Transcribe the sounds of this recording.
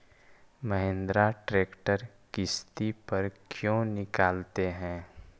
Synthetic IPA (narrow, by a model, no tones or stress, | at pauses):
məɦẽːnd̪ɾaʈɾeːkʈəɾ | kɪst̪ipɐɾkʰjõːnɪkaːlt̪eɦɛ̃ː